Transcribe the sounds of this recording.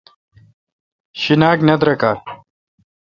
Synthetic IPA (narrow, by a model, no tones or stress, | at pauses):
ɕinaːknɐd̪ɾɐkaː